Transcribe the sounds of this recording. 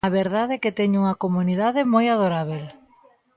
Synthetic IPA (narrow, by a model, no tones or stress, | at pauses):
aβeɾðaðeket̪eɲuŋɐkomuniðaðɪmojað̞oɾaβel